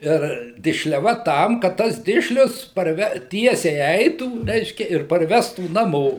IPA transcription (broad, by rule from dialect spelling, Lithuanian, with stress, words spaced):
ɪr dʲɪʃʲlʲɛˈʋɐ ˈtɐm kɐt ˈtɐs ˈdʲɪʃʲlʲʊs pɐrʲˈʋʲɛ ˈtʲiɛsʲɛɪ ˈɛɪtuː ˈrʲɛɪʃʲkʲɛ ɪr pɐrʲˈʋʲæːstuː nɐˈmoː